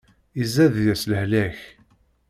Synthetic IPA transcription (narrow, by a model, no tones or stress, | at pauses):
izæðjæsləhlæç